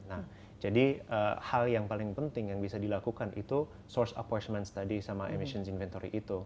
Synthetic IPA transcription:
nah | d͡ʒadiəhaljaŋpalɪŋpənt̪ɪŋjaŋbisadilakukanʔḭt̪u | sɔrsa̰patmɛnst̪adisamaʔemiʃənsinfɛnt̪oɾḭʔit̪u

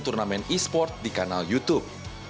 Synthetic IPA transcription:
t̪urnamɛnispɔrt̪̚dikanaljut̪up̚

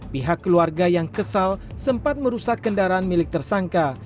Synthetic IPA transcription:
piɦakːəluarɡajaŋkəsalsəmpat̪̚məɾusakːəndaɾaːnmilɪk̚t̪ərsaŋka

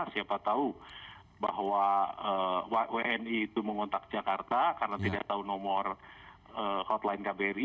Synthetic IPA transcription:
siapat̪au | ba̰ɦwaəweʔɛniːt̪uməŋɔnt̪ak̚d͡ʒakart̪akarnat̪ida̰ʔ̚t̪aunɔmɔr | əhɔt̪laɪnkabɛɾi

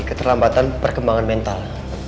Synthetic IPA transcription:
ikət̪ərlambat̪anpərkəmbaŋanmɛnt̪al

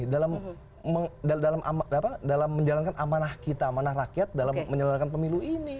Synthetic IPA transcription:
dalamː | ədadalamʔamapadalamːəɲd͡ʒalankanʔamanahkit̪amanarakiat̪̚dalamːəɲalankanpəmiluini

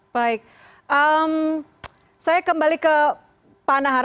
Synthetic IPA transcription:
baɪk̚ | ʔəm | sajakəmbalikə | panaɦa

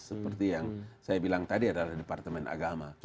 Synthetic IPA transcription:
səpərt̪ijaŋsajabilaŋt̪adiadalahdepart̪əmɛnʔa̰ɡama

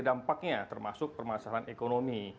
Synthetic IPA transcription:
dampak̚ɲat̪ərmasʊk̚pərmasalanekonomi

